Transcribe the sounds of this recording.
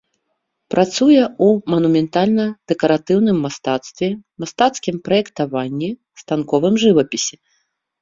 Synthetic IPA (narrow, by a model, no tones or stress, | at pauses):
pɾʔat̪sujɛumɐnumʲɛnt̪alʲnɐd̪̥ɛkɐɾat̪ɨwnɨmːast̪at̪st̪vʲɛmast̪at̪skʲimpɾɐjɛkt̪avanʲːi | st̪ankɔvɨmʐɨvɐpʲisʲi